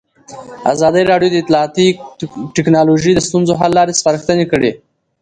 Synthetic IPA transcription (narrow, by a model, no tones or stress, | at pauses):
a̰zɑd̪əjɾɑɖjod̪əɪt̪lɑːt̪iʈɪknɑloʒid̪əst̪unzoɦalːɑɾespaɾəxt̪ənekəɽe